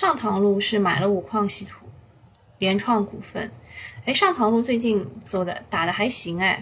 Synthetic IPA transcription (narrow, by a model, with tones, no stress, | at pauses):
ʂɑ˥˩ŋt̪ʰɑ˧˥ŋlu˥˧ʂɻ̩˥˩ma˨˩ɪlə˦u˨˩kʰwɑ˥˧ŋɕi˧˥t̪ʰu˨˩˦ | ljɛ˧˥nʈ͡ʂʰwɑ˥˩ŋku˨˩fə˥˩ne˥˩ɪʂɑ˥˩ŋt̪ʰɑ˧˥ŋlu˥˧t͡swe˥˧ɪt͡ɕi˥˧nt͡swɔ˥˩d̪ə̰˩t̪a˨˩d̪ə˦xa˧˥ɪɕi˧˥ŋa˥˩ɪ